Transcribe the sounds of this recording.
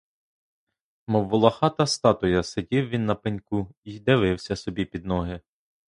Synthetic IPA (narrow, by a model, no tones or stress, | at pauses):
mɔʋːʊlˠɐxɑt̪ɐst̪ɑt̪ʊjɐsedʲiwʋʲinːɐpenʲkuid̪ɪʋɪwsʲɐsɔbʲipʲid̪nɔɦɪ